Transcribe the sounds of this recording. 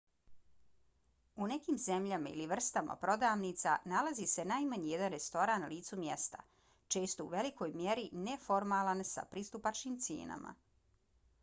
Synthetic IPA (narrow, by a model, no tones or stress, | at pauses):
une̞kiːmze̞mʎamaḭliʋr̩st̪ama̰pɾo̞d̪aːʋnit̪sa̰nalazise̞najmaɲijed̪anɾe̞st̪o̞ɾanːaliːt̪sumje̞st̪a̰ | t͡ʃe̞ːst̪o̞ṵʋe̞likʰo̞jmjeɾine̞fo̞ɾmaːlansa̰pɾist̪upat͡ʃniːmt̪sḛːna̰ma̰